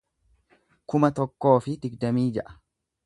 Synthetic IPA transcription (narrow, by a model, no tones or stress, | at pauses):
kʊmɐt̪ɔkːo̞ːfɪd̪ɪɡd̪ɐmiːd͡ʒɐʔɐ̥